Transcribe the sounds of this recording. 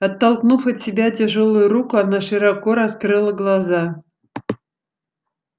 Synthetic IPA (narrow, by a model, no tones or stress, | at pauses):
ɐt̪ːɐlˠknufɐt̪ʲsʲɪbʲatʲɪʐolˠʊjʊɾukʊanaʂɨɾɐkoɾɐskɾɨlˠəɡlˠɐza